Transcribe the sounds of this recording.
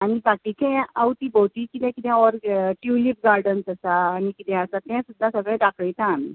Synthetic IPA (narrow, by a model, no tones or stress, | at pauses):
aɽ̃ibakikɛ̃awt̪iːbowt̪iːkit̪ɛ̃kit̪ɛ̃ɔɾʈjulip̚ɡaɾɖənsəsaːñikit̪ɛ̃əsat̪ɛ̃sud̪ʱːasəɡɭɛ̃ɖakɽəjt̪ãːmḭ